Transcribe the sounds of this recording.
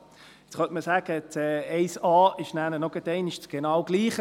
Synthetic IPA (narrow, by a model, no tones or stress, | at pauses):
ɛt͡sχœntməsæːɡ̥ət͡sɛɛɪsɑːɪʃnæːnənɔɡ̥ətɛɪniʃt͡sɡ̥enɑːwɡ̥liːχə